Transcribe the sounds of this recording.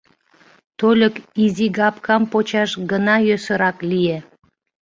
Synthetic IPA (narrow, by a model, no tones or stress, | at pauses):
t̪olʲəkiziɡɑpkɑmpot͡ɕɑʃɡənɑjøsəɾɑklije